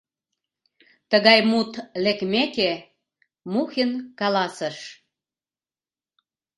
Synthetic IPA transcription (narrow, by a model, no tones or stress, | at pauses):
t̪əɣɑjmut̪lekmeke | muxenkɑlɑsəʃ